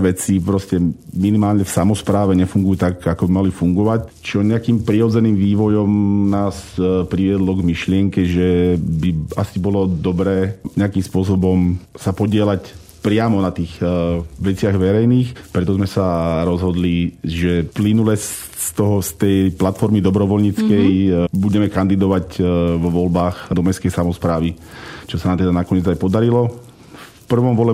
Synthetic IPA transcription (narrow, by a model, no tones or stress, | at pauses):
ʋɛt͡sipɾɔscɛminimaːlɲɛfsamɔspɾaːʋɛɲɛfuŋɡujuːt̪aɡakɔbimalifuŋɡɔʋac | t͡ʃɔɲɛakiːmpɾiɾɔd͡zɛniːmʋiːʋɔjɔmnaːspɾiʋɪɛd̪lɔɡmiʃlɪɛŋkɛʒɛbiasibɔlɔd̪ɔbɾɛːɲɛakiːmspʊɔs̬ɔbɔmsapɔɟɪɛlac | pɾɪamɔnat̪iːxʋɛt͡sɪaɣʋɛɾɛjniːxpɾɛt̪ɔzmɛsaɾɔzɦɔd̪liʒɛplinulɛsː | t̪ɔɦɔst̪ɛjplat̪fɔɾmid̪ɔbɾɔʋɔlɲit͡skɛjbuɟɛmɛkand̪id̪ɔʋaɟʋɔʋɔlbaːxd̪ɔmɛskɛjsamɔspɾaːʋit͡ʃɔsanaːmt̪ɛd̪anakɔɲɪɛd͡zajpɔd̪aɾilɔ | fpr̩ʋɔmʋɔlɛ